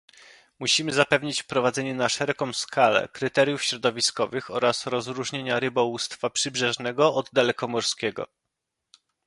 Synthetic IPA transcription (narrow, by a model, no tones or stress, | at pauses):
muɕimɘzapɛvɲit͡ɕfpɾɔvad̪zɛɲɛnaʂɛɾɛkɔ̃w̃skalɛ̰kɾɘt̪ɛɾʲjufɕɾɔd̪ɔvʲiskɔvɘxɔɾasɾɔzɾuʐɲeɲaɾɘbɔwust̪fapʂɘbʐɛʐnɛɡɔɔd̪ːalɛkɔmɔɾskʲɛɡɔ̰